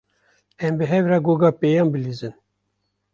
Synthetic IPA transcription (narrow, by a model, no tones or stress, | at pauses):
ɛmbɨɦɛvɾɑɡoɡɑːpejɑːnbɨlizɨn